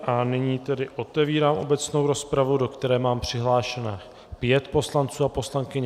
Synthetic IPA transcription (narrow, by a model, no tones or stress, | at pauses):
ʔanɪɲiːt̪ɛdɪʔo̞t̪ɛviːɾaːmʔo̞̰bɛt͡sno̞wɾo̞spɾavudo̞kt̪ɛɾɛːmaːmpr̝̥ɪɦlaːʃɛnɛː | pjɛt̪po̞slant͡suːapo̞slaŋkɪɲɛ